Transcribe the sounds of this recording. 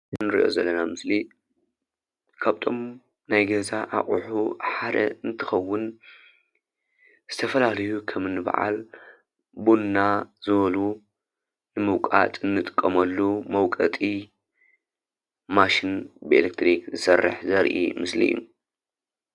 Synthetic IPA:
ɨnɨɾḭʔo̞̰zɐlːɐnamɨsli | kʰaβt̪ʰo̞m | najɡɐzaʔa̰χʼuħuħad̪ɐ̰ɨnt̪ʰɨxɐwːʊn | z̥ɨt̪ʰɐfɐlalɐjukʰɐmɨnːɨba̰ʕa̰l | bunːazɨβɐlu | nɨmɨwkʼa̰t̪ʼɨnːɨt̪ʼɨ̥kʼːɐmɐlːumɐwkʼɐt̪ʼi | maʃinbɨḛlek̚t̪ʰɾikzɨsɐrːɨ̰ħzɐɾʔḭmɨslḭj̰ːṵ

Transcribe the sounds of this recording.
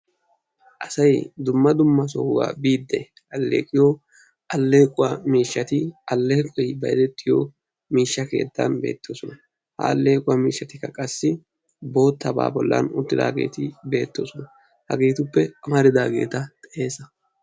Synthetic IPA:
ʔɐsɐjd̪ʊmːɐd̪ʊmːɐsɔhʊwa̰ːbiːd̪ːɛ | ɐlːe̞̰ːkʼɪjo | ʔɐlːe̞ːkʼʊwamiːʃːɐt̪ɪɐlːeːkʼɔjbɐjd̪ɛt̪ʼːɪjo̰ | miːʃːɐke̞̰ːd̪ːɐ̰nbe̞̰ːt̪ːoːsɔnɐ | hɐ̰ːlːe̞ːkʼʊwamiːʃːɐt̪ɪkːɐkʼɐsːɪ | bo̞ːt̪ːɐba̰ːbɔlːɐ̰nʊt̪ːɪd̪a̰ːɡe̞ːt̪ɪbe̞ːt̪ːoːsɔnɐ | hɐɡeːt̪ʊpːɛɐmɐɾɪd̪aːɡe̞̰ːt̪ɐt̪ʼɛʔe̞ːsɐ

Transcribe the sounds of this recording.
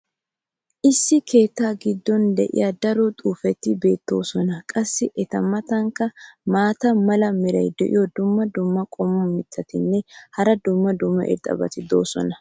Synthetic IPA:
ʔɪsːɪkʰe̞ːt̪ːaːɡɪd̪ːɔnd̪ɛ̰ʔɪ̰jɐd̪ɐɾɔt̪ʼuːfɛt̪ːɪbe̞ːt̪ːo̞̰ːsɔnɐkʼɐsːɪʔɛt̪ɐmːɐt̪ɐŋkːɐmaːt̪ɐmɐlɐmɪɾɐ̰jd̪ɛʔɪ̰jɔd̪ʊmːɐd̪ʊmːɐkʼɔmɔmːɪt̪ʰːɐt̪ɪnːɛhɐɾɐd̪ʊmːɐd̪ʊmːɐ̰ʔɪ̰ɾt̪ʼɐ̰bɐ̰t̪ɪd̪o̞ːsɔ̰nɐ

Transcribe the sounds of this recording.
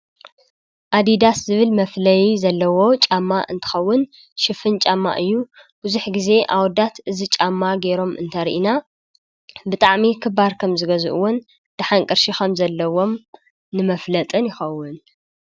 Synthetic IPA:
ʔad̪id̪aszɨβɨlmɐflɐjizɐlːɐwo̞t͡ʃʼamːaʔɨ̰nt̪ʰɨ̥xɐwːʊn | ʃɨfɨnt͡ʃʼamːa̰ʔɨjːu | b̥uzuħɡize̞ʔawɔd̪at̪ʔɨzit͡ʃʼamːaɡe̞ɾo̞mʔɨ̰nt̪ʰɐɾḭʔina | bɨt̪ʼaʕmikʰɨbaɾkʰɐmzɨɡɐzɨ̰ʔɨwon | d̪̥aħaŋkʼɨɾʃixɐmzɐlːɐwo̞m | nɨmɐflɐt̪ʼɨnjɪxɐwːʊn

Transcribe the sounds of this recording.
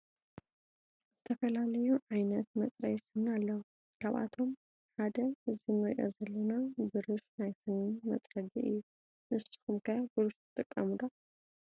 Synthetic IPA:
zɨt̪ʰɐfɐlalɐjuʕajnɐt̪mɐt͡sʼɾɐjsɨhnalːɐw | kʰaβʔa̰t̪ʰo̞m | ħad̪ɐɨzɨmɐɾʔo̰zɐlːɐnabɨɾɨʃnajt̪ʰɨnmɐ̰t͡s̪ʼɾɐd̪iʔɨ̰jːu | ʔɨsɨ̥xumkʰɐjabɨɾɨʃt̪ʰɨ̥t̪ʼɨkʼːɐmɨd̪a

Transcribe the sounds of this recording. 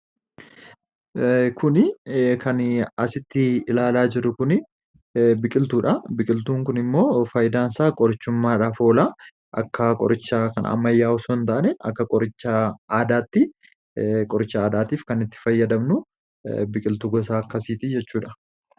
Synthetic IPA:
kʰʊnɪkʰɐnɐsɪt̪ːɪɪlaːlaːd͡ʒɪɾːʊkʊnɪ | bɪkʼɪlt̪uːᶑɐbɪkʼɪlt̪uːŋkʊnɪmːo̞ːfɐjd̪aːnsaːkʼɔɾɪt͡ʃːʊmːaːᶑaːfo̞ːlaː | ʔɐkːɐkʼɔ̰ɾɪt͡ʃːakɐn̰ɐ̰mːɐjːaːʊsont̪aʔːnɛɐ̰kːɐkʼɔɾɪt͡ʃːɐaːd̪aːt̪ːɪ | kʼɔɾɪt͡ʃːɐaːd̪aːt̪iːfkɐnɪt̪ːɪ̥fɐjːɐd̪ɐmnʊ | bɪkʼɪlt̪ʊɡɔsaːɐkːɐsiːt̪id͡ʒɛt͡ʃːuːᶑɐ

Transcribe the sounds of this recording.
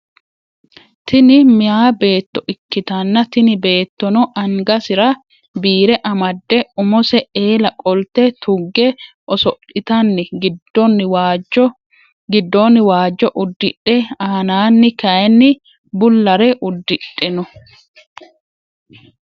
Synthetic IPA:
t̪ɪnɪmɪjaːbe̞ːt̪ːɔʔɪkːɪt̪ɐnːɐt̪ɪnɪbe̞ːt̪ːɔnɔʔɐŋɡɐsɪɾɐ | biːɾɛʔɐmɐd̪ːɛʊmɔsɛeːlɐkʼɔlt̪ɛt̪ʰʊɡːɛ | ʔɔsɔʔɪt̪ɐnːɪɡɔnːɪw | ɡɪd̪ːonːɪwaːd͡ʒːɔʔʊd̪ːɪᶑɛaːnaːnːɪkɐjɛnːɪ | bʊlːɐɾɛʔʊd̪ːɪᶑʼːɛnɔ

